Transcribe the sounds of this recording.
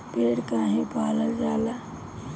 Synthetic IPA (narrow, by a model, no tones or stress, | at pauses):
peːɽkaɦĩpaːləld͡ʒaːla